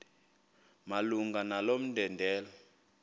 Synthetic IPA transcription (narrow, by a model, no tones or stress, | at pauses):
maluŋɡanalom̩ndʱɛndʱɛːla